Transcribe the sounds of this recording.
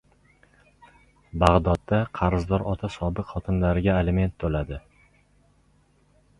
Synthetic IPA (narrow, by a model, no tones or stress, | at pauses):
baʁd̪ɒd̪ːaqʰɑɾzd̪ɒɾɒt̪ʰasɒbɪqχɒt̪ʰɪnlaɾɪɡʲaeleme̞nt̪ʰːolad̪ɪ